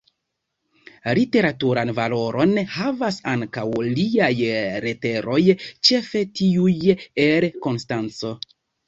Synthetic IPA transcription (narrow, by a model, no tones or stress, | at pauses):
lite̞ɾatuɾanvalo̞ɾo̞nhavasaŋkawliajɾe̞te̞ɾʔo̞jt͡ʃe̞fe̞tiujeɾko̞nstant͡so̞